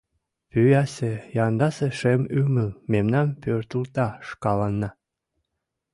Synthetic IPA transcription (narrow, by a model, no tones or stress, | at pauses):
pyjɑsejɑnd̪ɑseʃemyməlmemnɑmpørt̪ult̪ɑʃkɑlɑnːɑ